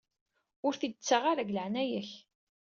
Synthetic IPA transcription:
ʊɾθid̪t͡sːaʁaɾaɡləʕnæjæç

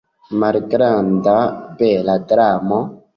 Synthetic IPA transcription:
malɡɾandabɛladɾamo

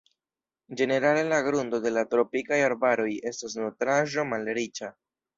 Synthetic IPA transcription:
d͡ʒe̞ne̞ɾale̞laɡɾundo̞de̞latɾo̞pikajaɾbaɾo̞je̞stas̬notɾaʒo̞malɾit͡ʃa

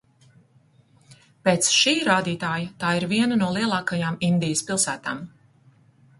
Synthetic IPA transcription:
peːt̪sʃiːɾaːd̪iːt̪aːjat̪aːiɾviɛnanuɔlˠiɛlˠɑːkajamind̪ijəspilˠsæːt̪aːm

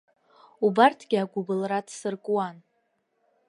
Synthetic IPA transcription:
ubartʰɡ̥ʲɪaɡʷʊbɨlradsɨrkʼwan

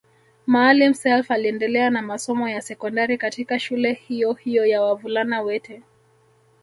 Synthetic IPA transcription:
maːlim̩sɛlfaliɛndɛlɛanamasɔmɔjasɛkɔndaɾikatikaʃulɛhijɔhijɔjawavulanawɛtɛ

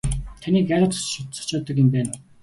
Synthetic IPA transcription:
t̪ʰaniːkæɾʲə̆t̪sʊt̪sɔ̥t͡ɕɔːt̪ə̆kjɪmpæːn

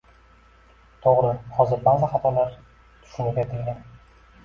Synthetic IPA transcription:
t̪ʰoʁɾɪχɒzɪɾbaɾzaχɑt̪ʰɒlaɾ | t̪ʰʊ̥ʃʊnɪɡʲad̪ʰeŋɡʲan

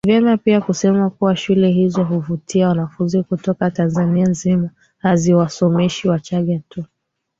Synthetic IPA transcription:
vjɛmapiakusɛmakuwaʃulɛɦizɔɦuvutiawanafunzikutɔkatanzanianzima | haziwasɔmɛʃiwat͡ʃaɠatu

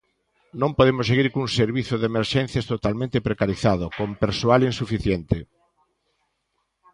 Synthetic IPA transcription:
nõmpoðemʊsseɣiɾkuŋseɾβiθoðemeɾʃen̟θjast̪ot̪almẽnt̪epɾekaɾiθaðokompeɾsoalinsufiθjent̪ɪ

